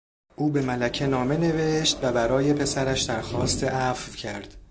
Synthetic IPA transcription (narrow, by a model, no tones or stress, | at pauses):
ʔuːbe̞mælæcʰe̞nɒːme̞ne̞ve̞ʃt̪væbæɾɒːje̞pʰe̞sæɾæʃd̪æɾxɒːst̪ʰeʔæfvcʰæɾd̪̥